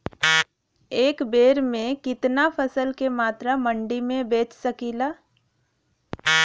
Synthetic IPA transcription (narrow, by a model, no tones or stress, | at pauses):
eːkbeːɾmẽkɪt̪napʰəsəlkemaːt̪ɾamə̃ɳɖimẽbeːt͡ʃsəkiːlaː